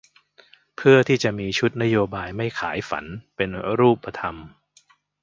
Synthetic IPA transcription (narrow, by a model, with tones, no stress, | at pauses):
pʰɯ˥˩ɐt̪ʰiː˥˩t͡ɕa˨˩ʔmiː˧t͡ɕʰu˦˥t̪̚na˦˥joː˧baː˧jma˥˩jkʰa̰ː˩˦jfa̰˩˦npe˧nɾuː˥˩pʰːa˧t̪ʰa˧m